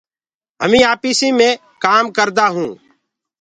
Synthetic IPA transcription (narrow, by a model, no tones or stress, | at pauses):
ɦəmĩːaːpiːsĩːmẽː | kaːmkəɾd̪aːɦũː